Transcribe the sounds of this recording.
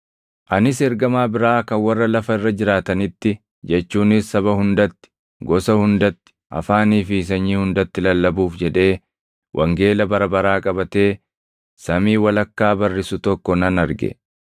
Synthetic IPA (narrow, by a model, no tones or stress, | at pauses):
ʔɐnɪsɛɾɡɐmaːbɪɾaːkɐnwɐrːɐlɐfɐɪrːɐd͡ʒɪɾaːt̪ɐnɪt̪ːɪ | d͡ʒɛt͡ʃːuːnɪsːɐβɐhʊnd̪ɐt̪ːɪ̥ | ɡɔsɐhʊnd̪ɐt̪ːɪ̥ʔɐ̰faːniːfɪs̬ɐɲːiːhʊnd̪ɐt̪ːɪlɐlːɐbuːfd͡ʒɛᶑe̞ː | wʔɐ̰ŋɡe̞ːlɐbɐɾɐbɐɾaːkʼɐbɐt̪e̞ː | sɐmiːwɐlɐkːaːbɐrːɪsʊt̪ɔkːɔnɐnɐɾɡɛ̰